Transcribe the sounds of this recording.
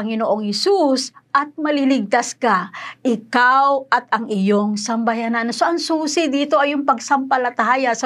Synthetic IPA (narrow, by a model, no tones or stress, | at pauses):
ɐŋɪnoʔoŋhɛsusʔɐt̪̚mɐlilɪɡ̚t̪askaʔɪkawɐt̪ɐŋɪjoŋsɐmbɐjanansoʔɐŋsuːsɪd̪iːt̪oʔɐjʊŋpɐɡsɐmpɐlɐt̪aːjɐasɐ